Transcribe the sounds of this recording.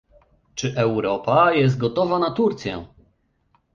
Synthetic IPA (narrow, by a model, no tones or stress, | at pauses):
t͡ʂɘʔɛwɾɔpajɛst̪̚ɡɔt̪ɔvanat̪uɾt̪sʲjɛ̰̃